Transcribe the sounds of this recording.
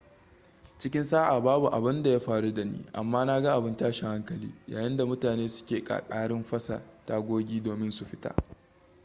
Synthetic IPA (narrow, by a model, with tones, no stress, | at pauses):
t͡ʃɪ˦kʲɪ˦nsaː˦ʔa˨baː˦bu˨ʔa˨bɪ˦nda˨ja˦ɸaː˨ɽu˦da˨nḭː˦ʔa̰˨mːaː˦na˦ɡa˦ʔa˨bɪ˦ntaː˦ʃi˨ha˦ŋkɐ˨lḭː˦jaː˨jɪ˦nda˨mʊ˦taː˨neː˦sʊ̥˦kʲeː˨kʼa̰ː˨kʼaː˦ɽɪ˦mɸɐ˦sa̰˨ta˦˨ɡʷoː˦ɡʲiː˦doː˨mɪ˦nsu˨ɸɪ˦ta̰˦